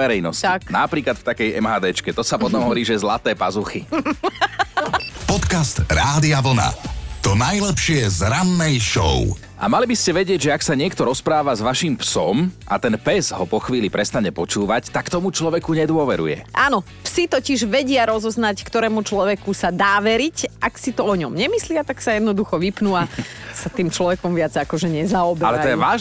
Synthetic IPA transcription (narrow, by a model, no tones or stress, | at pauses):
ɛɾɛjnɔsciknapɾiːklat̪ft̪akɛjɛmɦaːd̪ɛːt͡ʃkɛt̪ɔsap̪ɔt̪ɔmɦɔʋɔɾiːʒɛzlat̪ɛːpazuxi | pɔt̪kast̪ɾaːd̪iaʋl̩na̰t̪ɔnajlɛpʃɪɛzɾanːɛjʃɔ̰ʊ | ʔa̰malibiscɛʋɛɟɪɛɟʒɛaksaɲɪɛkt̪ɔɾɔspɾaːʋazʋaʃiːmpsɔm | a̰t̪ɛnpɛzɦɔpɔxʋiːlipɾɛst̪aɲɛpɔt͡ʃuːʋact̪akt̪ɔmut͡ʃlɔʋɛkuɲɛd̪ʊɔʋɛɾṵjɛ̰ʔanɔ | psit̪ɔciʒʋɛɟɪaɾɔzɔznackt̪ɔɾɛːmut͡ʃlɔʋɛkusad̪aːʋɛɾicʔaksit̪ɔɔɲɔmɲɛmislɪat̪aksajɛd̪nɔd̪uxɔʋipnuasat̪iːmt͡ʃlɔʋɛkɔmʋɪad͡zakɔʒɛɲɛzaɔbɛalɛt̪ɔjɛʋaːʒ